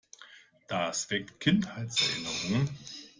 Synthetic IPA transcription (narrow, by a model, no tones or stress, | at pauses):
d̥asv̥ɛk̚tkʰɪnthaɪtsɛɐɪnəʁʊŋən